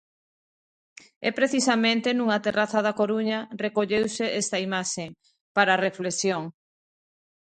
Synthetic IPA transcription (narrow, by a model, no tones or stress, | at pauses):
ɛpɾeθisamẽnt̪enuŋɐt̪eraθaðakoɾuɲɐrekoʎewseest̪ɐimaʃeŋ | paɾareflesjoŋ